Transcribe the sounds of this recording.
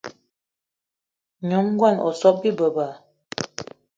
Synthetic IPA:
ɲo˨˦m˦ɡwa˦˨nʔɔ̰˨sɔ˦p̚bi˦bə˨ba˨

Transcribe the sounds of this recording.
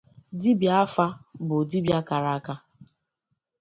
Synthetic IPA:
di˦bja˨˦fa˦bʊ˨di˦bja˦ka˨ɾa˦a˦ka˦

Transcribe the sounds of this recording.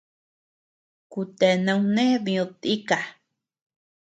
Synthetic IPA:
ku˨t̪e˨na˧wne˦βĩu˨t̪i˦ka˨

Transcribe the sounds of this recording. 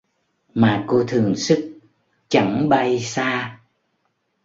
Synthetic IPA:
maː˨˩ko˧t̪ʰɨ˨˩əŋsɨ˦˥k̚ | t͡ɕa˧˩ŋɓa˧jsaː˧

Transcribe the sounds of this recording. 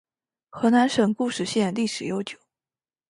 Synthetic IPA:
xɤ˧˥na˧˥nʂɤ˨˩ŋku˥˧ʂɻ̩˥˩ɕjɛ˥˧nli˥˩ʂɻ̩˨˩jo˧˥ʊt͡ɕjo̥˨˩˦ʊ

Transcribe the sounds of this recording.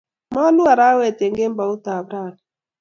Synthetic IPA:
ma˦lu˦a˨ɾa˦wɛ˨tje˨ŋɡe˦mba˨u˦t̪a˨bɾa˦˨n

